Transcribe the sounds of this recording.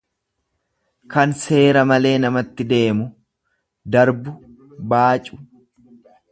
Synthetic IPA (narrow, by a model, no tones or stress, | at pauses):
kɐnse̞ːɾɐmɐle̞ːnɐmɐt̪ːɪd̪e̞ːmʊ | d̪ɐɾbʊ | baːt͡ʃʼʊ̥